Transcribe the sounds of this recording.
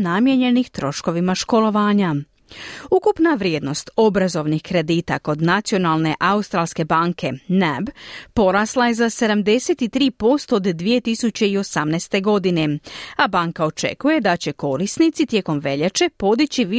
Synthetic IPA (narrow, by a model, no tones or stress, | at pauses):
namje̞ɲe̞nixt̪ɾo̞ʃko̞ʋimaʃko̞lo̞ʋaːɲa | ukupnaʋɾje̞ːd̪no̞st̪o̞bɾazo̞ʋnixkɾe̞d̪iːt̪a̰ko̞d̪nat̪sijo̞naːlˠne̞ʔaust̪ɾaːlske̞baːŋkʰe̞nabpo̞ɾaslˠaje̞zase̞d̪amd̪e̞se̞t̪it̪ɾiːpo̞st̪od̪ːʋije̞t̪isut͡ɕe̞io̞samnɛst̪e̞ɡo̞d̪ine̞abaŋkao̞t͡ʃe̞̰kuje̞d̪at͡ɕe̞ko̞ɾisnit̪sit̪je̞ko̞mʋe̞ʎet͡ʃe̞po̞d̪it͡ɕiʋi